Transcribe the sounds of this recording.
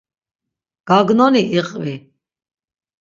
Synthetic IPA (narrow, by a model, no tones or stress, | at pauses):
ɡ̥aɡnɔniʔiqʼvi